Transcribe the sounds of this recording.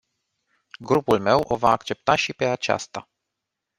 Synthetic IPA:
ɡɾupulme̞wʔo̞vaːkt͡ʃe̞p̚t̪aʃipe̞at͡ʃa̰st̪a

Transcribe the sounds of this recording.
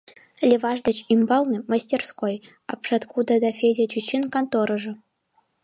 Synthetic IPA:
lʲeʋɑʐd̪ɤ̆t͡ɕimbɑlˠnɤmasʲtʲerskoj | ɑ̰pʂɑt̪kud̪ɑd̪ɑfʲedʲet͡ɕut͡ɕːinkant̪oɾɤ̆ʐɤ̆

